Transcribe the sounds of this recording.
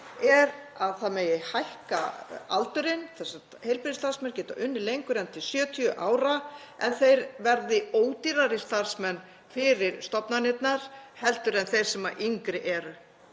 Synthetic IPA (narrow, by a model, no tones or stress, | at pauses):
ɛɾaðθaðmɛjɛhajhka̰a̰lt̪ʏɾɪnθɛsa | hejlpɪðɪst̪aɾ̥smɛncɛːt̪aʔʏnːɪlejŋkʏɾɛnt̪ʰɪlsjœːt̪ʰjʏʔaːwɾa | ɛ̰nθejɾvɛɾðɪoːwt̪iɾaɾɪst̪ar̥smɛnː | fɪɾɪɾ̥st̪ɔpnanɪt̪naɾ̥hɛlt̪ʏɾɛnθejɾ̥sɛmaʔiŋkɾɪʔɛːɾʏ